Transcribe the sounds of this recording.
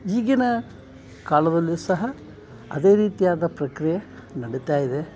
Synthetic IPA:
iːɡinɐ | kaːlɐd̪ɐlːisɐɦɐ | ɐ̰d̪eːɾiːt̪ijaːd̪ɐpɾɐkɾijɐnɐɽit̪aːjid̪e

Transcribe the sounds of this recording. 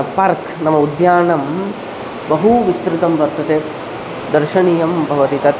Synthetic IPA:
paɾk | nɐmɐud̪jaːɳɐm | bɐɦuʋist̪ɾɪt̪ɐmʋɐɾt̪ɐt̪eː | d̪ɐɾʃɐɳijɐmbʱɐʋɐt̪it̪ɐ

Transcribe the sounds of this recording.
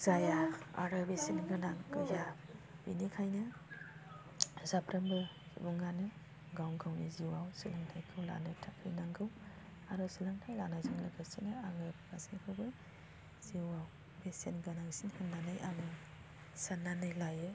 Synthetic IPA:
z̥ajaa̰ɾɯbesenɡɯnaŋkɯjabinikʰajnɯ | zapʰɾɐmbɯ | ḭbuŋanɯ | ɡawɡawniziwawsilaŋtʰajkʰɯwla̰nɯtʰakʰɯjnaŋɡɯw | aɾɔsilaŋtʰajlanazɯŋlɯɡasinɯaŋɯpkʰasiŋkʰɯbɯ | z̥iwaw | besenɡɯnaŋsinhɯnːanajaŋɯ | sanːanɯjlajɯ

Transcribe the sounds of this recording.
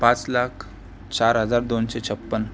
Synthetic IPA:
pãt͡slakʰ | t͡ɕaɾɦəd͡zaɾd̪onɕet͡ɕʰəpːən

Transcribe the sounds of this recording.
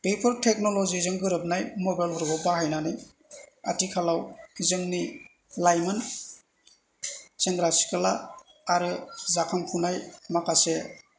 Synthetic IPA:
pejpʰɯɾtʰek̚nolozizɯŋɡɯɾɯp̚najmɔbajlɦɔɾɡɔbaɦajnanɯj | a̰tikʰalawzɯŋni | lajmɯn | seŋɡɾasi̥kʰalaː | ɾɯzakʰaŋkʰunajmakase

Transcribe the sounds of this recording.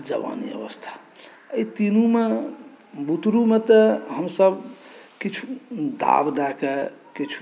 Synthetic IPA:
d͡ʒə̰ʋa̰nḭə̰ʋəst̪ʰḁ | əit̪inume | but̪ɾumet̪əɦəmsəbkit͡ʃʰu̥d̪a̰bd̪ɛkekit͡ʃʰu̥

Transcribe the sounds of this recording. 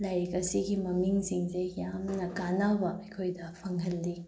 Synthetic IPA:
lajɾikɐsiɡimɐmiŋsiŋsejamnɐkanawbɐɐjkʰojdɐpʰɐŋɦɐlːi

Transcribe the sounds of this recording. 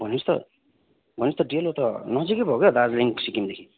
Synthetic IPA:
bʱʌnist̪ʌ̰ | bʱʌnist̪ʌɖiʌlɦot̪ʌnʌd͡zikʌbʱʌkjod̪ad͡zliŋksikimd̪ekʰi

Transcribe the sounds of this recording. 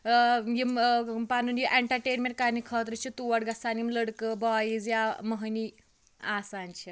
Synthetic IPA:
jimpanunjiʔeɳʈɐɾʈeːnmeɳʈ̚kaːnikʰəːt̪ɾit͡ʃʰit̪uʋɐɽɡɐsaːnimləɽkəbɔajizjaməɦni | aːsaːnt͡ʃʰi

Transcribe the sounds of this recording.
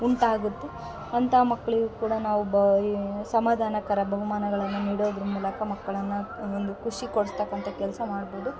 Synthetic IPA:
uɳʈaːɡut̪ːe | ɐnt̪ʰɐmɐkːɐɭiɡukuːɽɐnaːʋub | sɐmaːd̪ʱaːnɐkɐɾɐbʱɐʋɐmaːnɐɡɐɭɐnːuniːɽoːd̪ɾumuːlɐkʰɐmɐkːɐɭɐnːuond̪ukʰuʂikoɽust̪ɐkːɐnt̪ʰɐkɛlsɐmaːɽboːd̪u

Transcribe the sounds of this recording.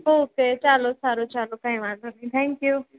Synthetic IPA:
ɦoːkeːt͡ʃaːlosaːɾot͡ʃaːlokãĩʋaːlonĩt̪ʰɛ̃ːŋkju

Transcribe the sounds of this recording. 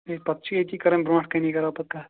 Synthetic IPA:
epɐt̪ːt͡ʃʰiɐt̪ʰikɐɾɐmbɾõːʈʰkɐnikɐɾapɐt̪̚ka

